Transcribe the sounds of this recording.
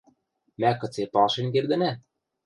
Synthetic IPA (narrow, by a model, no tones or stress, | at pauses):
mækɤ̆t͡sepɑlʃenk̬erd̪ɘ̆næ